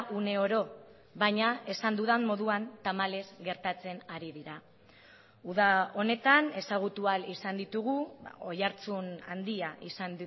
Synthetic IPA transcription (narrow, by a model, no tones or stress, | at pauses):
ʔune̞o̞ɾo̞ | βaɲae̞sand̪uðamo̞ðuant̪amale̞zɡe̞ɾt̪at͡se̞naɾiðiɾa | uðao̞ne̞t̪ane̞saɣ̞ut̪ualisand̪it̪uɣua̰o̞jaɾt͡suna̰nd̪iaʔisand̪